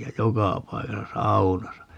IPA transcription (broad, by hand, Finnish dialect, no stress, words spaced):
jæ jokɑˑ pɑikɑsɑ sɑunɑsɑ